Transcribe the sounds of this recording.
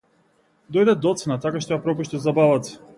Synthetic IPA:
d̪ɔjd̪ɛd̪ɔt̪sɛnat̪akaʃt̪ɔjapɾɔpuʃt̪ɛzabalat̪si̥

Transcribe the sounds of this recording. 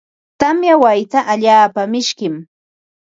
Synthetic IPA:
t̪amjawajt̪aʔaʎaːpamɪʃkɪm

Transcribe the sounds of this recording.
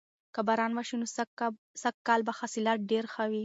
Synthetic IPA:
kabaɾɑnwaʃino | sakkːɑlbaxasilat̪̚ɖeɾxawi

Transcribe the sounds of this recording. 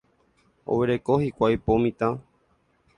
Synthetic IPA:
o̰ʋeɾe̞kohikʷajpomĩt̪ã

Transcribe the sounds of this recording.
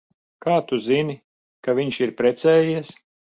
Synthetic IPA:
kaːt̪uzini | kavʲiɲʃiɾpɾɛt̪sɛːjiɛs

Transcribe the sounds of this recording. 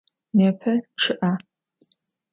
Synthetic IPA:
meːpʰɐʈ͡ʂʰɨʔa

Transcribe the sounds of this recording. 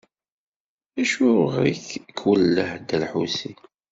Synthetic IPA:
æʃuʁɾiçkʰːwəlːəħd̪əlħusi

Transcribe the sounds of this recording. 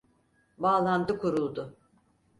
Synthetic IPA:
baːlˠand̪ɯkʰuɾulˠd̪ʊ

